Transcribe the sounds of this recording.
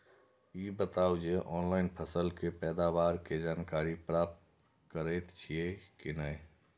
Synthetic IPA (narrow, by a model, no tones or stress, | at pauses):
ibət̪awd͡ʒeʔɔːnlaɪnpʰəsəlkepɛːd̪abaɾked͡ʒaːnkaɾipɾap̚t̪̚ | kəɾəjt̪t͡ʃʰiekinəɪ